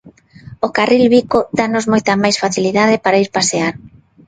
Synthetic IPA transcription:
okarilβikod̪anozmojt̪ɐmajsfaθiliðaðɪpaɾaiɾpaseaɾ

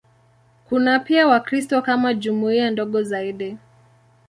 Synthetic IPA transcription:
kunapiawakɾistɔkamaʄumuiandɔɠɔzaiɗi

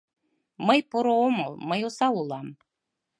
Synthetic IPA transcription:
məjpoɾoomɤlˠməjosɑulˠɑm

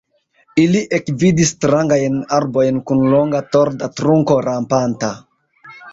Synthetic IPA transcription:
iliʔekvidistɾaŋɡajnaɾbo̞jnkunloŋɡato̞ɾdatɾuŋko̞ɾampanta

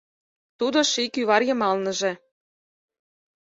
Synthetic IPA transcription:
t̪ud̪oʃikyβɑrjɤ̆mɑlnɤ̆ʒĕ

